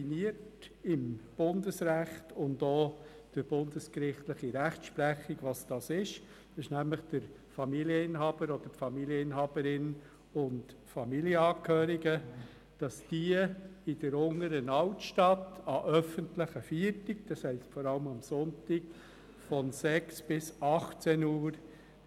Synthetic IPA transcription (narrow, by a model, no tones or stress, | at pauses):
iniətɪmb̥ʊndəsɾæχtʊndoː | d̥əɾb̥ʊnd̥əskɾɪχtləχiɾæχtʃpɾæχiɡʋɑsd̥ɑsɪʃ | ɪʃnæmləχd̥əɾ | fɑmiljəɪnhɑːb̥əɾɔd̥̪əfɑmiljəɪnɦɑːbəɾɪn | ʊnt | fɑmiljəɑːkʰhøːɾiɡə | d̥ɑsd̥iəɪd̥əɾʊŋəɾənɑltʃtɑtɑʔœfəntləχəfiətɪkd̥ɑshɛɪsfɔɾɑləmʊmsʊntɪk | fɔnsɛksb̥ɪsɑχt͡sɛnuːɾ